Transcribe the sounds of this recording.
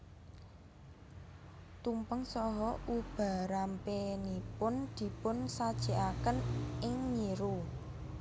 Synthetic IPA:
t̪umpəŋsɔɦɔʔub̥a̤ɾampenipʊnd̪̥i̤pʊnsad̥ʒ̥i̤ʔakənɪŋɲiɾu

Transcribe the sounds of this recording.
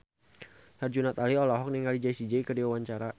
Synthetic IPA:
hard͡ʒunat̪aliɔlɔɦɔk̚niŋalid͡ʒaisid͡ʒaikərdiwawaɲt͡ʃaɾa

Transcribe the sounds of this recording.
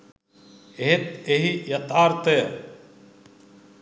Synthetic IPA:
eɦet̪eɦijɐt̪aːɾt̪e

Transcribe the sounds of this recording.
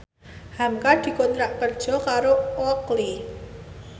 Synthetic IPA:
hamkad̪̥i̤kɔnt̪ɾaʔkərd̥ʒ̥ɔ̤kaɾoɔkli

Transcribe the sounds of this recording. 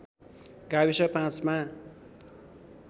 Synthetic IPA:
ɡabisʌpãt͡sma

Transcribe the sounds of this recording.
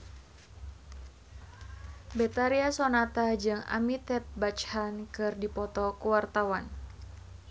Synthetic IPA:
bɛt̪aɾiasɔnat̪ad͡ʒɨŋa̰mit̪ɛt̪̚bat͡ʃhankɨrdipɔt̪ɔkuwart̪awan

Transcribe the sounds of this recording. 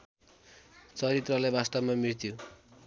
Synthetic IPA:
t͡sʌɾit̪rʌlajbast̪ʌbmamiɽt̪ʰjo

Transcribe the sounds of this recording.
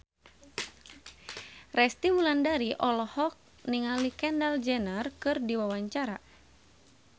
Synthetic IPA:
rɛst̪iwulandaɾiʔɔlɔhɔk̚ | niŋalikɛndald͡ʒɛnərkɨrdiwawaɲt͡ʃaɾa

